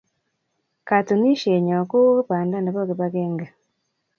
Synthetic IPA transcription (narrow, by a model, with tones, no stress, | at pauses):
ka˨tu˨ni˦ʃe˨ɲɔ˨ko˦paː˨nda˦nda˨βɔ˦ɣe˨βa˦ɣɛ˦ŋɡa˨